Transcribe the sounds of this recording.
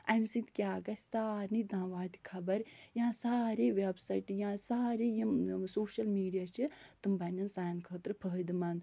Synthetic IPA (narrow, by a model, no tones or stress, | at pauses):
ɐmsit̪kʲaːɡɐsʲsaːɾnid̪ãːʋaːd̪ikʰɐbɐɾjãːsaːɾiːʋebsɐjʈjãːsaːɾiːjisoːʃɐlmiːɖijaːt͡ʃʰɨt̪ɨmbɐnʲɐnsaːjnkʰəːt̪ɾɨpʰəɦd̪imɐnd̪